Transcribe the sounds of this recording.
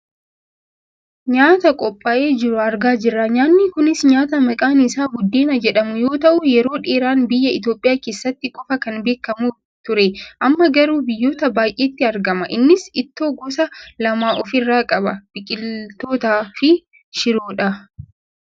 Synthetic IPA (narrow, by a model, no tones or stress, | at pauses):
ɲaːt̪ɐkʼɔpʼːɐʔe̞ːd͡ʒɪɾʊɐɾɡaːd͡ʒɪrːɐɲaːnːɪkʊnɪsɲaːt̪ɐmɐkʼaːnɪsaːɡʊd̪ːeːnɐd͡ʒɛᶑɐmʊjo̞ːt̪ɐʔʊjɛɾo̞ːᶑeːɾaːnbɪjːɐɪt̪jo̞ːpʼːɪjaːkeːsːɐt̪ːɪkʼɔfɐkɐnbe̞ːkːɐmuː | t̪ʊɾɛʔɐmːɐɡɐɾuːbɪjːoːt̪ɐbaːjʔeːt̪ːɪɐɾɡɐmɐʔɪnːɪsɪt̪ːo̞ːɡɔsɐlɐmaːʔɔfɪrːaːkʼɐbɐb̥ɪkʼɪlt̪o̞ːt̪aːfɪ | ʃɪɾoːᶑɐ